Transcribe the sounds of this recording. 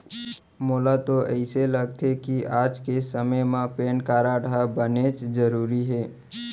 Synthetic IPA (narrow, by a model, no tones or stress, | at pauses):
moːlat̪oʔəɪseləɡt̪ʰekiaːd͡ʒkesəməjmãpeːnkaːɾaɽʱabənet͡ʃd͡ʒəɾuːɾiɦeː